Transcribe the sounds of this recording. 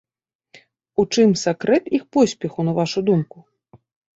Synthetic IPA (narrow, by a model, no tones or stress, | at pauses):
ut͡ʂɨmsakɾɛt̪ixpɔsʲpʲixunɐvaʂud̪umku